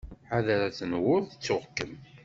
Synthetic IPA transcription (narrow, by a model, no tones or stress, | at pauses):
ħaðəɾat͡sːənwʊɾθət͡sːʊʁkːəm